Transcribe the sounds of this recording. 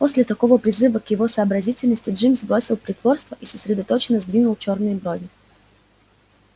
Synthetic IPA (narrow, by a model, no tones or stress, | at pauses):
posʲlʲɪt̪ɐkovəpɾʲɪzɨvəkjɪvosɐːbɾɐzʲitʲɪlʲnəsʲtʲɪʐɨmzbɾosʲilˠpɾʲɪt̪vɔɾrst̪vəʔisəsɾʲɛd̪ɐt̪ot͡ʃɪnəzd̪vʲinʊlˠt͡ʃoɾnɨjbɾovʲɪ